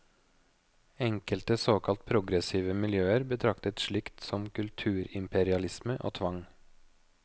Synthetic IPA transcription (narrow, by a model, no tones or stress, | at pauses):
ɛŋkəlt̪əsoːkʰɑlt̪̚pʰɾʊɡɾɛsiːʋəmɪljøːəɾbət̪ʰɾɑkt̪ət̪ʂɭɪkt̪sɔmkʰʉlt̪ʰʉːɾɪmpɛɾɪɑlɪsməʔo̰ːt̪ʰʋɑŋ